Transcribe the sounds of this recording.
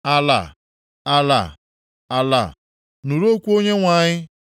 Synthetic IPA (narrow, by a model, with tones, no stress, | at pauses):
a˨la̰˨ | a˨la̰˨ | a˨la̰˨ | nu˨ɾo˦kʷu˦o˦ɲe˦ŋʷa˨ɲɪ˦